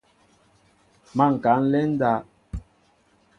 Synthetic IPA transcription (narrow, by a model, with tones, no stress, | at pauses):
ma˦˨ŋ̩˨ka˨˦n̩˦lɛ˦n̩˦da˦